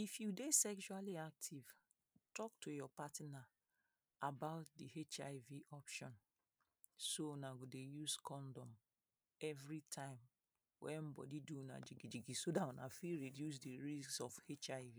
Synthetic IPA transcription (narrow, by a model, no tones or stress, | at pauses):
ifjudesɛkʃualiak̚tʰiv̥ | tɔk̚tujɔpatna | abaʊt̚dihet͡ʃaɪviʔɔpʃɔ̃n | sonaɡodejuskʰɔ̃ndɔ̃m | ɛvɹitʰãɪ̃m | wɛ̰̃m̩bɔ̰diduna̰d͡ʒiɡid͡ʒiɡisodatɔna̰fiɹidjus̬diɹisksɔfhet͡ʃaɪvi